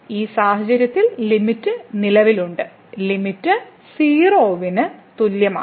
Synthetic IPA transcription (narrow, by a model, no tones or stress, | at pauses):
iːsaːhɐd͡ʑɐɾjɐt̪ːillimitːɨnilɐʋiluɳɖɨ | limitːɨ | siːroːʋinɨt̪uljɐma̰ː